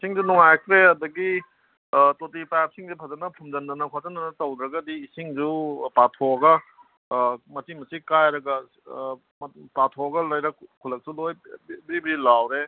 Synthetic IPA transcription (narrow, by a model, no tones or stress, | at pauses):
isiŋzunuŋajkʰɾeɐdɐɡi | totipajp̚siŋzupʰɐzɐnɐpʰumd͡ʒɐndɐnɐkʰazɐndɐnɐtɐwd̪ɾɐɡɐdiːsiŋd͡ʒupatʰoɡɐ | mɐtimɐsikajɾɐɡɐ | patʰoɡɐlɐjɾɐkʰulɐk̚sulojbiɾibiɾilawɾe